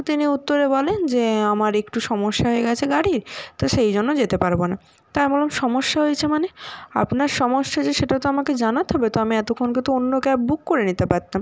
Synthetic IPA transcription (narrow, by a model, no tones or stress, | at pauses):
t̪iniut̪ːoɾebɔlend͡ʑeamaɾekʈuʃɔmoʃːaɦoeɡɛt͡ɕʰeɡaɽiɾt̪oʃejd͡ʑonːod͡ʑet̪epaɾbona | t̪ajmɔlomʃɔmoʃːaɦoet͡ɕʰemanea̰pnaɾʃɔmoʃːad͡ʑeʃeʈat̪oamaked͡ʑanat̪ʰɔbet̪oamiɛt̪okʰonk̬it̪uonːokɛp̚bukːoɾenit̪epaɾt̪am